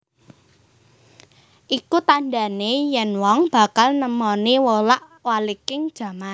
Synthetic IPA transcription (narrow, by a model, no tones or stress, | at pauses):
ʔikut̪anɖa̤nejɛnwɔŋb̥ä̤kalnəmɔniwolaʔ | walikɪŋd̥ʒ̥ä̤man